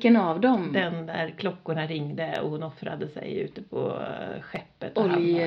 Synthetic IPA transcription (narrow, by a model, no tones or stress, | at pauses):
kːənavd̪ɔmd̪ɛnd̪æɾkʰlɔkːʊɳaɾɪŋd̪əɔ̰hʊnɔfɾa̰d̪əsɛ̰jʉ̟̰ːt̪əpʰɔ̰ɧɛpːət̪ɔl